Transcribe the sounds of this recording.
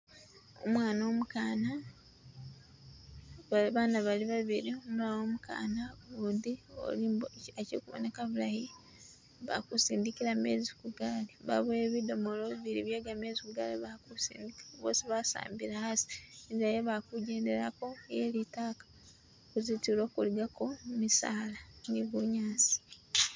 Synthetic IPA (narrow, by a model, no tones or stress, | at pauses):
o̰mwaːno̞ːmukaːna | βaβaːnaβaliβaβiɾiomuɾaoːmuka̰ːnaβuːndio̰liːoacḛkuβo̰nekaβulahi | βa̰kusiːndikiɾame̞̰ːzikuɡaːliβa̰βueβido̞moloβiβiɾiβjaɡamezikuɡaliβakusḭːndikaβo̰siβasa̰ːmbiɾahasi̥izajoβakuɟeːnde̞ɾako̞jelitaːkḁ | kuzitiɾoːkuliɡako̞misaːlaniβuɲaːsi̥